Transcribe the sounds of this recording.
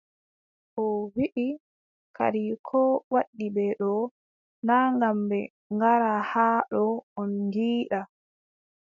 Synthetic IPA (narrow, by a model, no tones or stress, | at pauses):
ʔɔwiʔi | kʰa̰ɾikʰɔwaɗːibɛɗɔ | naːŋɡambɛ | ŋɡaɾahaɗɔɔnŋɡiːɗa